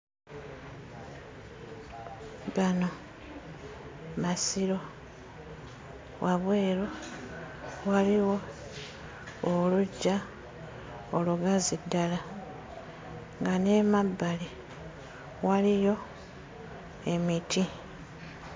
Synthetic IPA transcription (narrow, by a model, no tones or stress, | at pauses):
βano̞ | masiɾo̞ | waβwe̞ːɾo | waliwo̞ | oluɟːa | oluɡazidːala | ŋɡane̞mabːali | walijo̞ | e̞mitʰi